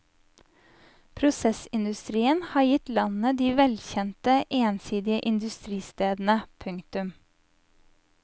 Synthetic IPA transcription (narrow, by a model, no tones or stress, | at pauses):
pʰɾʊsɛsɪnd̪ʉst̪ɾiːənhɑːjɪt̪lɑnnəd̪iːʋɛlçɛnt̪əʔeːnsiːd̪ɪəʔɪnd̪ʉst̪ɾiːst̪eːd̪n̩əpʰʉŋkt̪ʉm